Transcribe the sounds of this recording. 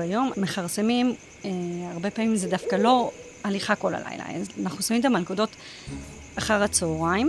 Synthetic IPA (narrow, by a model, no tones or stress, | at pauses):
ajo̞mːeχaʁsemim | eaʁbe̞paːmimzedafkalo̞ | aliχako̞la̰la̰jla̰ḛzanaχnusamimt̪amalkodo̞t | aχaʁat͡sooʁaim